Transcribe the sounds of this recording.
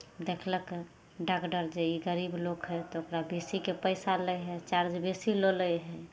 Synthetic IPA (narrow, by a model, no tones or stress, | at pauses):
d̪ekʰlək | ɖakɖəɾd͡ʒeiɡəɾiblokɦɛt̪ɔokɾabesikepəɪsaləjɦɛt͡ʃaɾd͡ʒbesiloləjɦɛ